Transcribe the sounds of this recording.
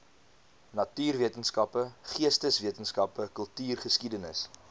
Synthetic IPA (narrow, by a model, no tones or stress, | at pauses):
nɐtyːrviətənskɐpəχiəstəsviətənskɐpəkəlˠtyːrχəskidənəs